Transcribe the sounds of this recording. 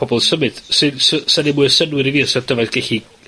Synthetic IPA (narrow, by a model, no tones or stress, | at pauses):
ɔbɔlˠsəmɨd̥sɨnsəsanɪmʊɨsənwɪɾiviːəsɔdəvaθɡ̥ɛɬi